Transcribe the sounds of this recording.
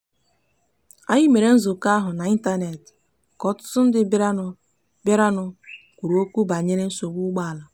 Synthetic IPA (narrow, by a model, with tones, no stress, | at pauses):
a˦ɲi˦me˨ɾe˨˦n̩˦zʊ˨ka˦a˦ɦʊ˨na˨i˦n˦ta˦ne˨t | kɔ˨tʊ̥˦sʊ˦n̩˦dɪ˦bɾa˦nʊ˨ | ba˦ɾa˦nʊ˨ | kʷu˨ɾo˦kʷu˦ba˨ɲe˦ɾe˦n̩˦so˨ɡ͡bu˦ɡ͡ba˦a˨la˨